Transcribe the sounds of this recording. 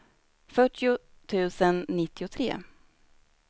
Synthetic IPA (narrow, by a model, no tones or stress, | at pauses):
fœʈːɪʊ | t̪ʰʉ̟ːsənːɪt̪ʰːɪʊt̪ʰɾḛː